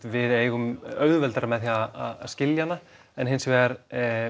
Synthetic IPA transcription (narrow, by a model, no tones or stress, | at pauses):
vɪðeːjɣʏmœɣðvɛlt̪aɾamɛðθjiaaðaðscɪljanːa | ɛnɦɪnsvɛɾ